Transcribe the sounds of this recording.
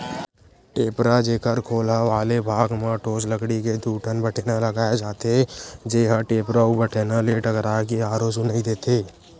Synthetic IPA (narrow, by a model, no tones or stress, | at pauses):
ʈeːpɾad͡ʒeːkəɾkʰoːlaʋaːlebʱaːɡmãʈoːsləɡɽiked̪ʱuːʈʰənbəʈʰeːnaləɡaːed͡ʒaːt̪ed͡ʒeːɦaʈeːpɾaubəʈʰeːnaleʈəkɾakeaːɾoːsʊnəɦĩd̪eːt̪ʰeː